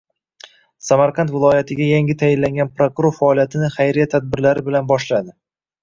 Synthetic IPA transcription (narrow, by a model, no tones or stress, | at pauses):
samaɾqʰant̪vɪlˠɒjat̪ʰɪɡʲajaŋʲɪt̪ʰajɪnlaŋɡʲanpɾokʊɾoɾfaɒlijat̪ʰɪnɪχajɾijat̪ʰad̪̚bɪɾlaɾɪbɪlanbɒʃlad̪ɪ